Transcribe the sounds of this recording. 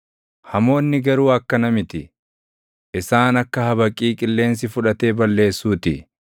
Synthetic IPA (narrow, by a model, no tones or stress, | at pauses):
hɐmo̞ːnːɪɡɐɾuːɐkːɐnɐmɪt̪ɪ | ʔɪsaːnɐkːɐhɐbɐkʼːiːkʼɪlːe̞ːns̬ɪfʊᶑɐt̪e̞ːbɐlːe̞ːsːuːt̪ɪ̰